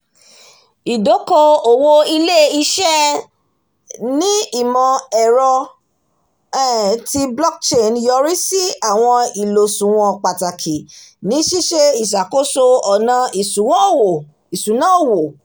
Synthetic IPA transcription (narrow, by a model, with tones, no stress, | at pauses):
i˨do˨˦ko˧o˨wo˧i˧le˦i˧ʃɛ˦ | nĩ˦i˦˨mɔ̃˨ɛ˨ɾɔ˧˦˨ | ti˧blɔ˦k̚t͡ʃe˦˨njɔ˧ɾi˦si˦a˦˨w̃ɔ̃˧i˨lo˨sũ˨w̃ɔ̃˧k͡pa˨ta˨kʰi˨nĩ˨˦ʃi˦ʃe˧i˨ʃ̬a˨ko˦so˧ɔ˨nã˧i˨su˨wɔ̃˦˨wo˨ | i˨sũ˨nã˦o˦˨wo˨